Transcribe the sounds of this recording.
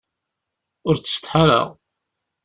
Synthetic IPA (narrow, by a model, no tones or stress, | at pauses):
ʊɾt͡sːə̥st̪ħaɾə̰ʁ